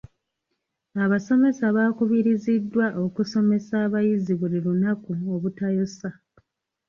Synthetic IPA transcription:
aβaso̞me̞saβaːkuβiɾizidːwaʔo̞kuso̞me̞saːβajiziβulilunakuoβutajosa

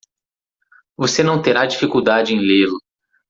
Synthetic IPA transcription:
vosenɐ̃w̃t̪eɾad͡ʒifikuwd̪ad͡ʒɪẽj̃lelʊ

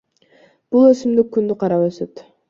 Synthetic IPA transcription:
b̥ulˠøsymd̪ykːynd̪yqʰɑɾɑpøsøt̪

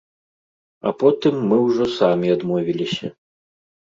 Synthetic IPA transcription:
ɐ̰pɔt̪ɨmːɨwʐɔsamʲiad̪mɔvʲilʲisʲɐ

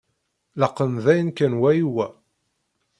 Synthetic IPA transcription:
ləqːənðæjənkænwæjiwæ

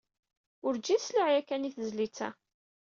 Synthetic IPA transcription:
ʊɾd͡ʒisliʕjækːæniθəzlit͡sːæ̰

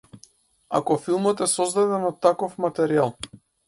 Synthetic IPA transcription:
a̰kɔfilˠmɔt̪ɛsɔzd̪ad̪ɛnɔt̪ːakɔfmat̪ɛɾialˠ

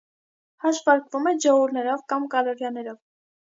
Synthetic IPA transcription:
hɑʃvɑɾkvumɛd͡ʒɔuɾnɛɾɔvkɑmkɑlɔɾjɑnɛɾɔv

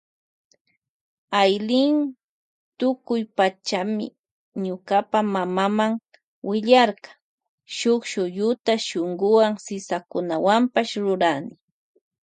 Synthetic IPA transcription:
ajlɪn | t̪ʊkʊjpat͡ʃamɪ̰ | ɲʊkapamamamaŋ | wɪʎaɾkɑ̥ | ʃʊkʃʊjʊt̪aʃoŋɡʊwaŋsɪsakʊnawampaʃɾʊɾanɪ

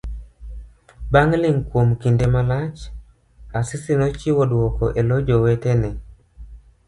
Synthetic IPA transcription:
baŋlɪŋkwomkindemalat͡ʃ | asɪsinɔt͡ʃiwɔdwɔkɔʔelod͡ʒowɛtɛnɛ

